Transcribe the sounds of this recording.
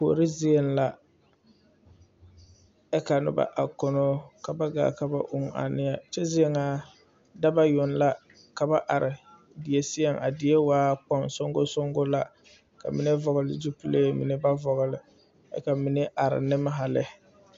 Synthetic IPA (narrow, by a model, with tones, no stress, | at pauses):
po˨o˨ɾɪ˦zɪ˦e˦n˦la˦ | ɛ˦ka˨nʊ̰˦ba̰˨ʔa˨kɔ˨no˦ka˨ba˦ɡa̰ː˨ka˨ba̰˦ʔʊ˦ŋa̰˨nɪ˦ja˨t͡ʃɛ˦zɪ˦e˦˨ŋa˨ | da˦ba˦jʊ˨nla˦ | ka˨ba˦ʔa˨ɾɪ˨ | dɪ˨je˨sɪ˦ɛ˨ŋʔa̰˨dɪ˨e˦waː˦k͡pɔ˦ŋsɔ˦ŋɡo˦so˦ŋɡo˦la˦ | ka̰˨mi˨ne˦vɔ˨ɣʊ˨lɪ̰˨d͡ʒu˦pu˦le˦˨˦mḭ˨nɪ˦ba˦vɔ˨ɣɪ˨lɪ˨ | ɛ̰˨ka˨mi˨ne˦ʔa˨ɾɪ̰˨nɪ˦ma˦ɦa˨lɪ˦